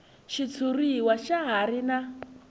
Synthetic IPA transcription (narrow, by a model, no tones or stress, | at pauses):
ʃit͡sʰuriwaʃaɦaɾina